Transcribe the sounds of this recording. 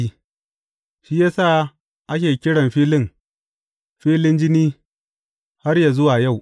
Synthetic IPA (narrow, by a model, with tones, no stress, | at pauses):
i˦ | ʃi˦jaː˦sa˦˨ | ʔa˦k̬ʲeː˨kʲɪ˦ɽɐ˨mɸiː˦lɪ˦˨ŋ | ɸiː˦lɪ˦nd͡ʒɪ˦niː˦ | ha˦rja˨zʊ˦waː˨ja˦˨w